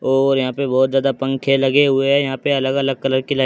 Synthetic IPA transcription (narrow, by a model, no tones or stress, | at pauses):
ɔːɾjɐɦãpebɔːt̪zjaːd̪apɐ̃ŋkʰelɐɡeɦʊeɦɛjɐɦãpeɐləɡɐləɡ̚kɐləɾkilaː